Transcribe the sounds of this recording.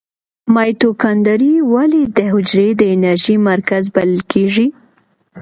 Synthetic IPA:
mɑjt̪okɑnd̪aɾiwaled̪əɦʊd͡ʒɾed̪əɪnaɾʒimaɾkazbalɪlkʰeʐi

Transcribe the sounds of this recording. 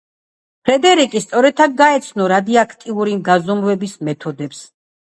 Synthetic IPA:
pʰɾɛd̪ɛɾikʼist̪sʼɔɾɛt̪ʰaɡ̚ɡaɛt̪sʰnɔɾad̪iakʰt̪ʼiuɾimɡazɔmvɛbismɛt̪ʰɔd̪ɛps

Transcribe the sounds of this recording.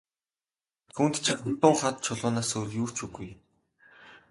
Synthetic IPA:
t̪ʰunt̪t͡ɕʰiχʊt̪ʊːɴχat̪̚t͡ɕʰʊɮʊːnaːsɵjɮʲjuːr̥t͡ɕuɣuj

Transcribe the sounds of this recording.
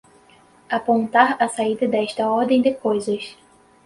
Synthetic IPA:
apõnt̪aɾɐsaid̪ɐd̪ɛʃt̪ɐɔɾd̪ẽj̃d̪ɪkojzɐs

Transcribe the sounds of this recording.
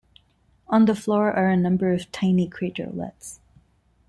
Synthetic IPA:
ə̃nðəflɔɹʔə˞ɨnʌ̃mbə˞ʌv̥tʰãɪ̃nikʰɹ̥iɪɾə̰˞lɛ̰ts

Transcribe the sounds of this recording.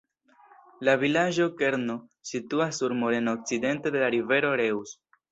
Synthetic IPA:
lavilad͡ʒo̞ke̞ɾno̞situasːuɾmo̞ɾe̞nok̚t͡side̞nte̞de̞laɾive̞ɾo̞ɾe̞ws

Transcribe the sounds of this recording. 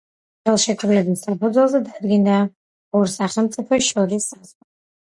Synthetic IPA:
χɛlˠʃɛk̪ʰlɛbissapʰud̪zɛlˠzɛd̪ad̪ɡind̪a | ɔɾsaχɛlˠmt̪sʼipʰɛsʃɔɾisːaz̥ʁa

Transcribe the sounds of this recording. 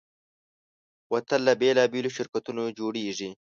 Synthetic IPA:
wɐt̪ənlabeːlɑːbeloʃɪɾkat̪unod͡ʒoːɽeʐi

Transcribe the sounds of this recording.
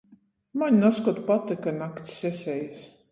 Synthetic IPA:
maɲʲnaskɔt̪pat̪ːekanakt̪sɛsʲɛjs

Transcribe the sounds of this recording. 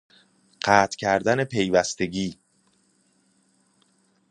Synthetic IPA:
ɢ̥æːt̪ʰcʰæɾd̪æne̞pʰe̞jvæst̪e̞ɟiː

